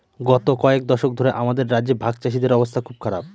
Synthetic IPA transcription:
ɡɔt̪okɔek̚d̪ɔʃok̚d̪ʱoɾeʔamad̪eɾːadd͡ʑeɾbʱaɡ̚t͡ɕaʃ̬id̪eɾɔbost̪ʰakʰub̚kʰaɾab̚

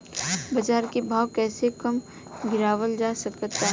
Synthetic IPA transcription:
bɐd͡ʒaːɾkebʱaːwkɛːsekəm | ɡɪɾaːʋəld͡ʒaːsəkət̪ːaɦ

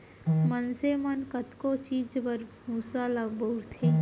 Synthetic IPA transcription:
mənsemənkət̪kot͡ʃiːd͡ʒbəɾmuːsalabəʊɾt̪ʰe

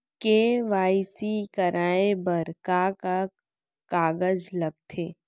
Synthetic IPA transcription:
keʋaːisikɐɾʔaːebəɾkaka | kaːɡəd͡ʒlɐɡ̚t̪ʰeː

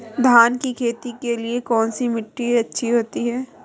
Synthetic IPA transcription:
d̪ʱaːnkikʰeːt̪ikeliekɔːnsimɪʈːiɐtːʃʰiɦoːt̪iɦɛː

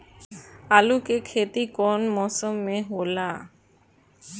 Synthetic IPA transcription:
alukekʰet̪ikɔnmɔsomːeɦola

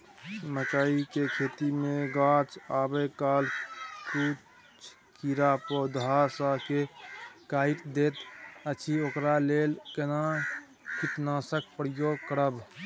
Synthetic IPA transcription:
məkaikekʰeːt̪imẽɡãːt͡ʃaːbekaːlku | t͡ʃʰ | kiɾapod̪ʱasakekaːiʈd̪eːt̪ət͡ʃʰiokɾaleːlkena | kit̪naːsək̚ʰpɾjoːɡkəɾəb

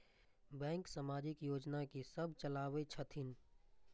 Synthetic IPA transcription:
bɛ̃ːŋksamaːd͡ʒɪkjoːd͡ʒnakisəbʱt͡ʃəlaːʋet͡ʃʰət̪ʰɪn

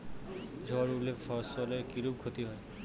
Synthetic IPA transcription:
d͡ʒʱɔɾulefʰɔɾssɔleɾkiɾub̚kʰot̪iɦɔe

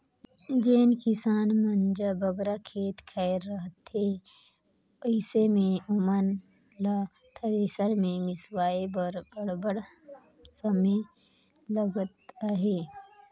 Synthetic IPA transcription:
d͡ʒeːnkɪsaːnməɲd͡ʒabəɡɾakʰeːt̪kʰɛɪɾːəɦət̪ɦe | əɪsemẽʊmən | la | t̪ʰəɾesəɾmẽmɪswaːebəɾbəɽbəɽ | səme | ləɡət̪aɦeː

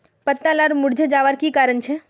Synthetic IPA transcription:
pət̪ːalaɾmʊɽd͡ʒəd͡ʒaʋaɾkikaːɾəɳt͡ʃʰe

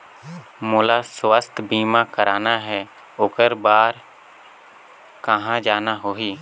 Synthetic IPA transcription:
moːlaswəst̪ʰbiːmãkəɾaːnaɦɛ | oːkəɾbaːɾ | kəɦãd͡ʒaːnaɦoːɦiː

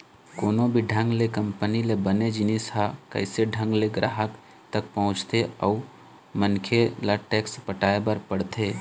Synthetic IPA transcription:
koːnõbʱiɖʱə̃ŋɡlekə̃mpənilebəned͡ʒɪnisakə̰ɪseɖʱə̃ŋɡleɡɾaːɦək | t̪ək̚pəɦʊ̃t͡ʃt̪eɔːu | mənkʰelaʈeːkspəʈaːebəɾpəɽt̪ʰeː

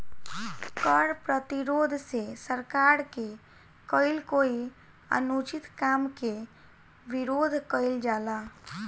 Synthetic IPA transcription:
kəɽpɾət̪iɾod̪ʱsesəɾkaɾke | kəɪlkoi | ə̰nut͡ʃit̪kamke | biɾod̪ʱkəɪld͡ʒala

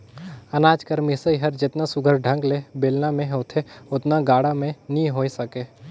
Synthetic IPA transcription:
ɐnaːd͡ʒkəɾmisəiɦɐɾd͡ʒɪt̪nasʊɡʱəɾɖʱə̃ŋɡlebeːlnamẽɦoːt̪ʰeʊt̪naɡaːɽamẽniɦoːisɐkeː

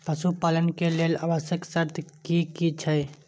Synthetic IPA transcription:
pəsupaːlənkelelabəsjəksəɾt̪ʰkikit͡ʃʰəj

